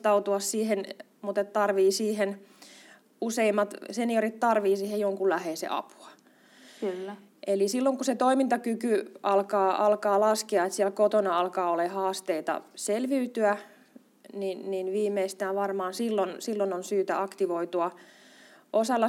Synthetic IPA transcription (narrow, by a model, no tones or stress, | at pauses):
t̪ɑut̪uɑssiːhen | mut̪et̪t̪ɑrʋiːsiːhen | useimːɑt̪seniorit̪t̪ɑrʋiːsiːhejjoŋkulæheːsḛʔɑ̰pu̥ɑ | klː | ʔelisilːoŋkuset̪oimint̪ɑkykyʔɑlkɑːʔɑlkɑːlɑskeɑet̪siælkot̪onɑɑlkɑːolehɑːst̪eit̪ɑ̰selʋiyt̪yæ | ninninʋiːmːeist̪æːʋʋɑrmɑːnsilːonsilːononsyːt̪æ̰ʔɑkt̪iʋoit̪uɑ | ʔosɑlːɑ